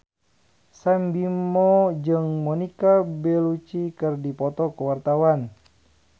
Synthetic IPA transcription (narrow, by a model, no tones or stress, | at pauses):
sambimɔd͡ʒɨŋmɔnikabɛlut͡ʃikɨrdipɔt̪ɔkəwart̪awan